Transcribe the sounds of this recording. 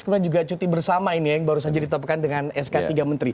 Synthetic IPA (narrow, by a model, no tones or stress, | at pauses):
skəmdad͡ʒuɡat͡ʃut̪ibərsamainijaŋbaɾusad͡ʒadit̪ɔap̚kandəŋanɛskat̪iɡamənt̪ɾi